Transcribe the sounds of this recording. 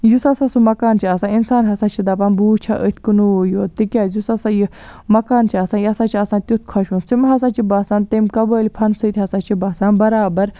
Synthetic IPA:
jusɐsasumɐkaːnt͡ʃʰiasaːninsaːnɦɐsaːt͡ʃʰid̪ɐpaːnbuːt͡ʃʰaʔət̪ʰʲkunuoːjoːt̪ikʲaːzusɐsaji | mɐkaːnt͡ʃʰiɐsãːnjɐsaːt͡ʃʰiɐsãːnt̪ʲut̪̚ʰkʰɐʃũnt͡simɦɐsaːt͡ʃʰibaːsaːnt̪emkɐbəːlʲpʰɐnsɨt̪ʲɦɐsat͡ʃʰibaːsaːnbɐɾaːbɐɾ

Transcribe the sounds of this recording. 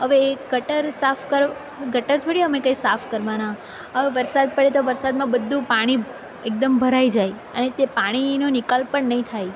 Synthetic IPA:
ɦəʋeːɡəʈəɾsafʰkəɾ | ɡəʈəɾt̪ʰoɽiəmekaisafʰkəɾʋana | ɦəʋeʋəɾsad̪̚pəɽet̪oʋəɾsad̪mãbəd̪ʱːũpaɽ̃i | ek̚d̪əmbʱəɾaid͡ʒaj | ə̰net̪epaɽ̃inonɪkalpəɳnəɦĩt̪ʰaj

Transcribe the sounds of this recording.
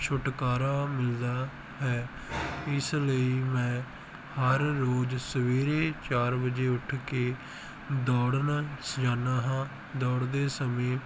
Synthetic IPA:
t͡ʃʰʊʈkaːɾaːmɪld̪aː | ɦɛː | ɪsləiːmɛ̃ː | həɾːoːd͡ʒsəʋiːɾeːt͡ʃaːɾbəd͡ʒeːʊʈʰkeː | d̪ɔːɽnasd͡ʒaːnaːɦãː | d̪ɔːɽd̪eːsəmẽː

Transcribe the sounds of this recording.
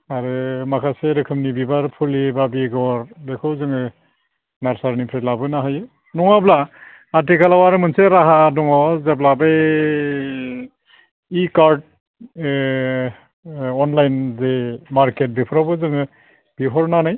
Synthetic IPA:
aɾɯmakʰaseɾɯkʰɯmnibibaɾpʰulibabiɡɔɾbekʰɯwzɯŋɯ | naɾsaɾnipʰɾelabɯnaɦajɯ | nɔŋablaː | t̬ikʰalawaɾɯmɯnseɾaɦadɔŋɔzablabe | ikaɾd̚ | ɔnlajnzemaɾket̚bipʰɔɾabɯzɯŋɯ | biɦɔɾnanaj

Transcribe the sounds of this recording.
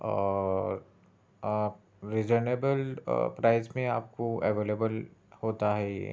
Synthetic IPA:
ɾɪd͡ʒəɾneːbəlpɾaːɪzmẽa̰ːp̚koɛʋeːleːbəlhoːt̪aɦɛ

